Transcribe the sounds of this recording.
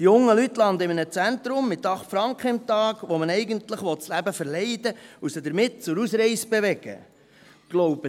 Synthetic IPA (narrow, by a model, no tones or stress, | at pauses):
jʊŋːəlytːlɑnd̪əɪmənət͡sænt̪ɾʊmːɪt̪ːɑχtfɾɑŋkχəɪmt̪ɑːɡ̥ʋɔmənɛɪɡənt̪ləχʋɔtt͡slæbəfəɾlɛɪd̪əusəd̥̪əɾmɪt̚t͡sʊɾusɾɛɪsb̥eʋɛɡ̥ə̰ | ɡ̥loʊb̥ə